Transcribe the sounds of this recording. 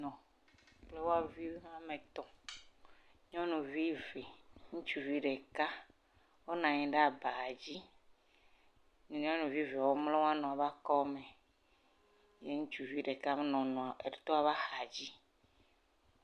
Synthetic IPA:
nɔ̃˨ | k͡ple˦wo˦a˦vi˦a˦me˨t̪ɔ˨ | ɲɔ̃˦nũ˨vi˦ve˨ŋũ˦t͡ʃu˨vi˦ɖe˨ka˦ | wo˦nã˨ɲɛ̃˨ɖe˦a˨ba˨a˨d͡ʑi˦ | ɲ˨ɲɔ̃˦nũ˨vi˦ve˨wo˦mle˦wo˦a˦nɔ̃˨a˨va˦kɔ˦me˨ | jḛ˦ŋũ˦t͡ʃu˨vi˦ɖe˨ka˦m˦nɔ̃˨nɔ̃˨a˨ḛ˨ɖe˨t̪ɔ˦a˨va˦xa˨d͡ʑi˦

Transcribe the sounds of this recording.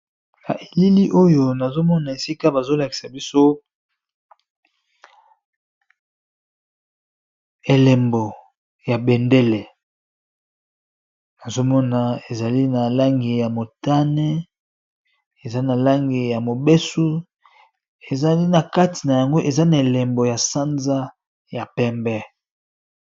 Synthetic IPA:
na˨ʔe˨li˦li˦ʔo˦jo˨na˨zo˦mɔ˦na˨e˨si˦ka˦ba˨zo˦la˨ki̥˨sa˨bi˦so˦ | e˨lɛ˨mbo˨ | ja˨be˨ndɛ˦le˨ | na˨zo˦mɔ˦na˨e˨za˨li˦na˨la˦ŋɡi˨ja˨mo˨ta˦nɛ˦ | e˨za˦na˨la˦ŋɡi˨ja˨mo˨be˦su˦ | e˨za˨li˦na˨ka˦ti˨na˨ja˨ŋɡo˦ʔe˨za˦na˨e˨le˨mbo˨ja˨sa˦nza˦ | ja˨pɛ˦mbɛ˦

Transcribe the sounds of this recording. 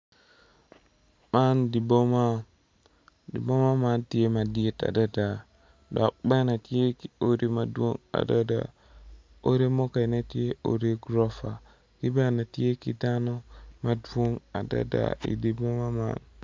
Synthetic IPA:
mandi˨bɔma | dḭ˨bɔ˦ma˦manti˦jema˨di˦ɛ˦ta̰˨dada˨ | dɔ˨a˨ɓa˦na˨ti˦e˦kio˦ɾimadwona̰˨dada̰ | o˦ɾemɔ˦ka˨jnati˦e˦o̰ɾeɡɾɔfa | di˦ba˦na˨ti˦je˦ki˨danɔmadwo˦na˨da̰da̰ḭ˨di˨bɔ˦mama̰n

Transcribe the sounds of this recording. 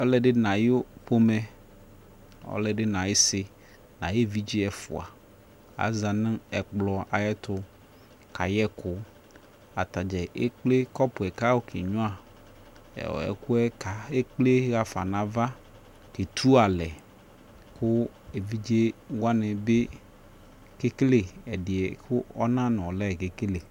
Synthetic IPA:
ɔ˦lɛ˦ɖɪ˦nã˨jo˦ɸo˦mɛ̃˦ | ɔ̰˦lɛ˨ɖɪ˦nã˨jɪ˦sɪ˨ | nã˨je˦˨vi˦d͡ʒi˦ɛ˨fʊ̰˨a̰˨ | a̰˨za˨nɪ̃˦ɛ˨k͡plɔ˨a˨jɛ˦t̪ʊ˨ | kʰa˨jɛ˦kʰʊ˦ | a̰˨t̪a˨d͡ʒɛ˨ʔe˦k͡ple˦kɔ˦pʊ˨ɛ˨ka˦wo˦kʰḛ˨ɲʊ̃˦a̰˨ | ɛ̰˨kʊ˦ɛ˦ka˨e˦k͡ple˦ɣa˨fa̰˨nã˨va˦ | ke˨t̪ʰu˦a˨lɛ˨ | kʰʊ˦ | e˨vi˦d͡ʒi˦e˦wa˦nɪ̃˨be˦ | ke˦ke˦le˨ɛ˨dɪ˨ɛ˨kʊ˦ɔ˦nã˦nɪ̃˨ɔ˨lɛ˦˨ke˨ke˦le˨

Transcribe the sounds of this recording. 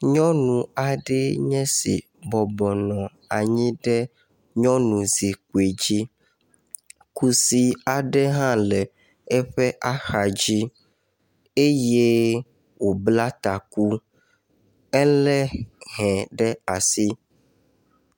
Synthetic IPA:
ɲɔ̃˦nũ˨a˨ɖɛ˦ɲɛ̃˦sḭ˨ | bɔ˨bɔ˨nɔ̃˨ | a˨ɲĩ˦ɖɛ˦ | ɲɔ̃˦nũ˨zi˨ku˨e˨d͡ʑi˦ | ku˦si˦a˨ɖɛ˦ɦã˦lɛ˨ | ɛ˦ɸɛ˦ʔa˦xa˨d͡ʑi˦ | e˦je˦ | wo˨bla˦t̪a˨ku˦ | ɛ˦lɛ˦ɦɛ̃˨ɖɛ˦a˨si˦

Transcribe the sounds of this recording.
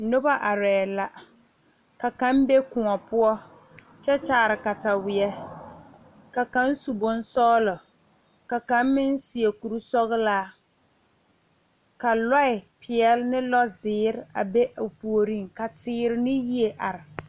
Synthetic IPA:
nʊ˦ba˦ʔa˨ɾɛː˨la˨ | ka˨ka˨˦mbe˦kʊ˨ŋɔ˨pʊ˦ɔ˦ | t͡ʃɛ˦t͡ʃaː˨˦˨ɾɪ˨ka˨ta˨wɪ˨ɛ˦ | ka˨ka˨˦n˦su˨bʊ˦n˦sɔː˦lɔ˨ | ka˨ka˨˦mmɪ˦n˦si˨e˨ku˨ɾu˦sɔ˦ɣɪ˦laː˦ | ka˨la˦ɪ˨pʰɪ˨ɛ˦lnɪ˦lɔ˦zɪː˦ɾɪ˦a̰˨be˦ʔpu˨o˨ɾi˦ŋka˨tɪː˦ɾɪ˦nɪ˦ji˦e˨ʔa˨ɾɪ˨

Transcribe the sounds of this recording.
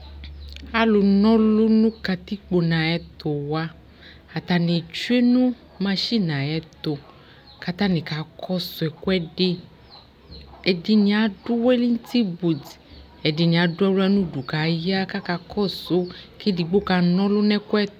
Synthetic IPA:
a˦lo˧nɔ̃˦lo˦nũ˦ka˧t̪i˦k͡po˧nã˨ɛ˧t̪o˨wa˧ | a˨t̪a˨ne˨t͡ʃe˦nũ˦ | mã˧ʃi˦˨nã˨ɛ˨˦t̪o˨ | ka˧t̪a˦nĩ˨ka˨˦kʰɔ˦so˧ɛ˨ku˦ɛ˦de˧ | ɛ˨di˧nĩ˧a˨˦du˦wɛ˦li˦n˦ti˦bu˨d | ɛ˨di˧nĩ˨a˨˦du˦ɛ˦lu˦ɛ˦nũ˦˨du˨ka˨˦ja˦ka˦ka˧kʰɔ˦˨so˨˦ke˦di˧ɡ͡bo˦ka˧˦nɔ̃˦lo˦nɛ˦ku˦ɛ˦t

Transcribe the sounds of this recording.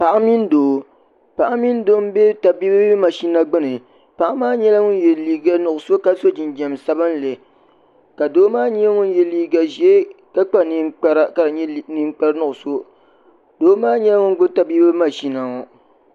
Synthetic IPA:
pa˨ʔa˦mi˦n˦doː˨ | pa˨ʔa˦mi˦n˦do˦m˦be˦ta˨biː˦bma˨ʃi˦na˦ɡ͡bɨ˦nɨ˨ | pa˨ʔa˦maː˦ɲɛ˦la˦ŋʊ˦n˦jɛ˨liː˦ɡa˦nʊ˨ʔʊ˨so˦ka˦so˦d͡ʒɪ˨nd͡ʒɛ˨msa˦ba˦n˦le˨ | ka˨doː˦maː˦ɲɛ˦ŋʊ˦njɛ˨liː˦ɡa˨ʒɛ˨˦ka˦k͡pa˦˨ni˦k͡pa˦ɾa˦ka˨ɾɲ˦ni˦ŋ͡mk͡pa˦ɾnʊ˨ʔʊ˨so˦ | d̥oː˦maː˦ɲɛ˦la˦ŋʊ˦n˦ɡʊ˦ta˨bi˦bɨ˦ma˨ʃi˦na˨ŋɔ˨

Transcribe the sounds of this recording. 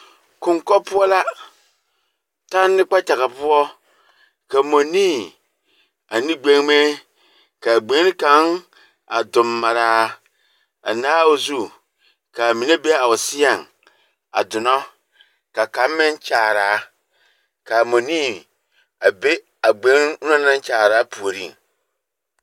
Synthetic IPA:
kʊ˨ŋkɔ˦pʊ˦ɔ˦la˦ | ta˦nːɪ˦k͡pa˦t͡ʃa˨ɣa˨pʊ˦ɔ˦ | ka˨mo˨niː˦˨ | a˨nɪ˦ɡ͡be˦ŋ˦me˦ | ka˨ɡ͡be˨˦n˦ka˨˦ŋ | a̰˨dʊ˨mːa˨ɾaː˦ | a̰˨nãː˦wo˦zu˦ | kʰa˨mĩ˨nẽ˦be˦a˨wɔ˨sɪ˦a˨n | a̰˨dʊ˨nɔ̃˦ | ka˨kã˨˦m˦mɪ̃˦n˦t͡ɕaː˨ɾaː˨˦ | kʰa˨mõ˨nĩ˦ | a˨be˦ | a˨ɡ͡bẽ˨˦n˦nã˦nã˦n˦t͡ɕaː˨ɾa˨˦pʰu˨o˨ɾḭ̃˦˨

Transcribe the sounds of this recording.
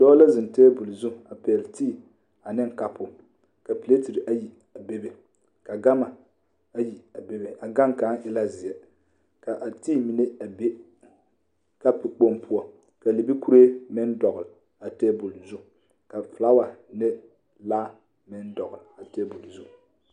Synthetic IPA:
dɔː˦la˦zɪ˨nteː˦bu˨lzu˦˨a˨pɛ˨ltiː˦˨ | a˨nɪ˦ŋ˦ka˦pʊ˦ | ka˨pi˨le˦ti˨ɾi˨ʔa˦ji˨ | a˨be˦be˨ | ka˨ɡa˦ma˨ | a˦ji˨a˨be˦be˨a˨ɡa˦ŋka˨˦nʔɪ˦la˦zɪ˨jɛ˨ | ka˨ʔa˨tiː˦mi˨ne˦a˨be˦ | ka˦pɪ˨k͡po˦mpʰʊ˦ɔ˦ | ka˨li˨bi˦ku˦ɾe˦mɪ˦ndɔ˨ɣʊ˨l | a˨teː˦bu˨lzu˦˨ | ka˨fla˦wa˨nɛ˦ | laː˦ | mɪ˦n˦dɔ˨ɣʊ˨ɾa˨teː˦bu˨lzu˦

